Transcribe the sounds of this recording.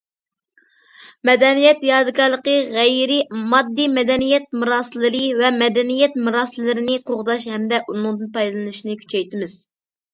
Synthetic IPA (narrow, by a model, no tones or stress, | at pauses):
mɛd̪ɛnijɛt̪jɑːd̪ɨkʰɑɾlˠəqəʁɛjɾɪmɑd̪ːimɛd̪ɛnijɛt̪̚muɾɑːsɨlˠɨɾɨvɛmɛd̪ɛnijɛt̪muɾɑːsɨllːɪɾɪnɨqʰoʁd̪ɑʃhɛmd̪ɛʔunɨŋd̪ɨnpʰɑjd̪ɨlˠɨnɨʃinɨkʲʰy̥t͡ʃʰɛjt̪ɪmɪz̥